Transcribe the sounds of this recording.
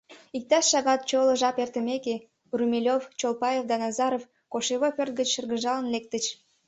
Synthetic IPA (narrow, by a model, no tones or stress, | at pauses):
ik̚t̪ɑʃːɑɣɑt̪̚t͡ɕolə̆ʒɑpert̪əmeke | rumelʲoft͡ɕolpɑjefd̪ɑnɑzɑɾof | koʃeβopʲørt̪̚ɡət͡ɕʃərɣəʒɑlənlek̚t̪ət͡ɕ